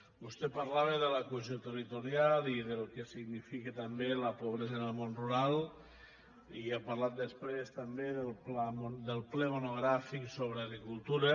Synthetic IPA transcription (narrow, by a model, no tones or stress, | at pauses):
bust̪ɛpaɾlaβeðələkueziot̪ərit̪uɾjaliðəlˠkesiɣnifiket̪əmbeləpoβ̞ɾezənəlˠmonruɾalˠ | iapaɾlat̪̚d̪əspɾest̪əmbeðəlˠplamd̪əlˠplɛmonoɣ̞ɾafiksoβ̞ɾaɣɾikulˠt̪uɾə